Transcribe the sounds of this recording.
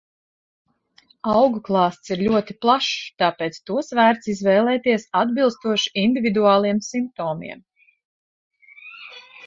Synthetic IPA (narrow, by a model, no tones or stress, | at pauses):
ɑwɡuklˠɑːst̪siɾʎʲuɔt̪iplˠaʃt̪ɑːpeːt̪st̪uɔsvæːɾt̪sizvɛːlˠɛːt̪iɛsad̪bilˠst̪uɔʃi̥ind̪ʲivʲid̪uɑːlˠiɛmsimp̚t̪ɔːmḭɛm